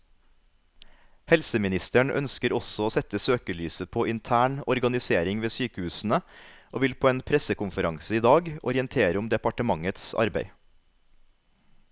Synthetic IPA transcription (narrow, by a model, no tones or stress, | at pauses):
hɛlsəmɪnɪst̪əɳʔœ̰nskəɾɔsɔoːsɛt̪əsøːkəlyːsəpʰoːʔɪnt̪ʰæːɳɔɾɡɑnɪseːɾɪŋʋeːsyːkəhʉːsn̩əʔoːʋɪlpʰoːeːnpʰɾɛsəkʊmfəɾɑŋsəiːd̪ɑːɡɔ̰ɾɪənt̪ʰeːɾəʊmd̪ɛpɑʈəmɑŋət̪sɑ̰ɾbæ̰ɪ